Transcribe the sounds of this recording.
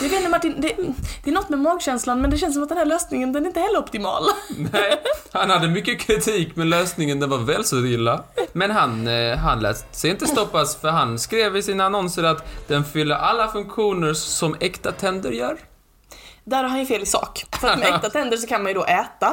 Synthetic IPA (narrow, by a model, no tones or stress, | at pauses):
javeːnmaʈːiːnd̪ɛd̪̥ɛæːnɔt̪ːmɛmɑːɡɕɛnslanmɛnd̪ɛɕɛnd̪əsɔmat̪d̪ɛnhæɭøːsnɪŋənd̪ɛnæɾɪnt̪əhɛlːəɾɔpt̪ɪmɑ̰ːlanɛhanhad̪ːəmʏkːəkʰɾɪt̪ʰiːkmɛløːsnɪŋənd̪ɛnvaɾvɛːlsɔlɪlːamɛnɦanɦanlɛ̰ːsɛjɪnt̪əst̪ɔpːasfœɾɦanskɾeːvɪsɪnaːnɔnsəɾat̪d̪̥ɛnfʏlːəʔalːafɵŋkɧuːnəɾsɔmɛkt̪at̪ʰɛnd̪əɾjœːɾ | d̪æːɾhaɾhanjɵfeːlɪsɑ̰ːkfœɾat̪mɛɛt̪at̪ʰɛnd̪əʂɔkʰanmanjɵd̪ɔʔɛːt̪a